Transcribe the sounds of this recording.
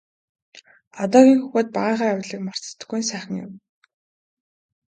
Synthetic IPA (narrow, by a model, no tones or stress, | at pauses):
at̪ɔːɣʲiːŋxuɣoːt̪̚paʁiːɴχaːjawɮiːkmar̥t͡sə̥t̪̆ɡujnsæːχə̆ŋjɪ̰m